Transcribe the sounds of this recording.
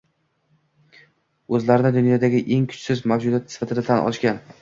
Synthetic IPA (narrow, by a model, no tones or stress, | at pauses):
ɵzlaɾɪnɪd̪ʊnjɒd̪aɡʲɪʔe̞ŋkʰʊ̥t͡ʃsɪzmawd͡ʒʊd̪at̪ɪsɪ̥fat̪ʰɪd̪at̪ʰanʔɒ̰ʃkʲan